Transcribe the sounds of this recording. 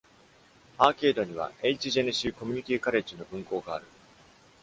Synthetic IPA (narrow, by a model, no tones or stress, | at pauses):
aːke̞ːd̪o̞ɲ̟iβ̞a̰eit͡ɕiʑe̞nɯ̟ɕiːko̞mʲi̟ɲ̟it̪ʲikaɾe̞t͡ɕino̞bɯ̟̃ŋko̞ːɡaːɾɯ̟